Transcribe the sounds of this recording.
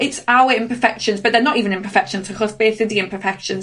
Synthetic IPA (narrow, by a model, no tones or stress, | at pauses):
ɪtsaʊəɪ̃npəfɛkʃə̃nzbəʔðənətiːvə̃nɪ̃npʰəfɛkʃə̃nzʰɪkʰɔsb̥eːθədiɪ̃npʰəfɛkʃə̃nz